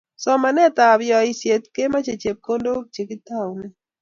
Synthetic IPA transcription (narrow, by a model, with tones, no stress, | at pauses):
sɔ˦ma˨nɛ˦t̪a˨bjɔ˨i˨sje˨t̪̚ke˦ma˦t͡ʃe˨t͡ʃe˨p̚ko˦ndo˦t͡ʃe˨ki˦ta˦˨wnɛ˦